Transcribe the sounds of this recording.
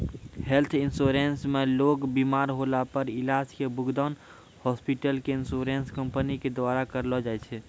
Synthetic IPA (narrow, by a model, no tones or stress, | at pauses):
helt̪ʰinsoɾensmelokbimaɾɦolapəɾilaskebuɡd̪an | hɔspiʈəlkeinsoɾenskəmpəniked̪ʋaɾakəɾlɔd͡ʒajt͡ʃʰɛ